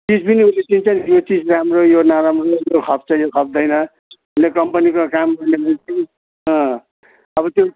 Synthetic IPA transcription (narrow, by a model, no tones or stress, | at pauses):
t͡sid͡zbiniɦulet͡sint͡sʰʌnjot͡sid͡zramrojonaɾamrojokʰʌp̚ʰt͡sʰʌjokʰʌp̚ʰd̪ʌjnʌ | unekʌmpʌnikokamɡʌrnebʱʌnt͡sʌn | ʌ̃ | ʌbʌt̪jo